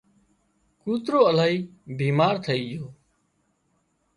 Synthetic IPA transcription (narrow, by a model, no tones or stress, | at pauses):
kuːt̪ɾoːəlaːɦiːbiːmaːɾt̪ʰəiːjoː